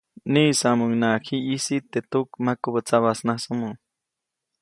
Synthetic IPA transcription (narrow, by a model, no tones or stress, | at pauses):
niːsamuŋnakʰiːsit̪et̪ukmakubət͡saβasnasumu